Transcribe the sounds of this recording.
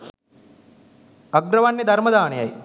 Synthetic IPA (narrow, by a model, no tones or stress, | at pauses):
ɐɡɾɐʋanːid̪ɐɾmɐd̪aːɳijɐj